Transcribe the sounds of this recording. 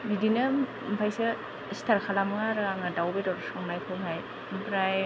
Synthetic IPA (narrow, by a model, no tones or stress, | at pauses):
bidina | mpʰajse | stʰaɾkʰalamŋaɾɯaŋadawbedɔɾsɔŋnajkʰɯbʰʱaj | mpʰɾaj